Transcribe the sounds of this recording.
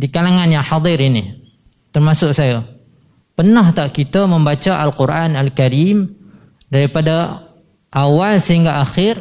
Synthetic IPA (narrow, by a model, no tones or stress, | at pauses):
dikalaŋanjaŋħɑd̪ˤɪɾini | t̪ərmasʊksaja | pənaht̪aʔkit̪əməmbat͡ʃaʔalkuɾʔanalkaɾim | daɾipada | ʔawalsəɦiŋɡaʔaxɪr